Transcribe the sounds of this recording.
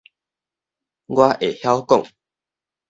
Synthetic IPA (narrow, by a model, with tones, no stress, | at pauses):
ɡwa˦ʔe˨˩hja˦wkɔ̰˥˨ŋ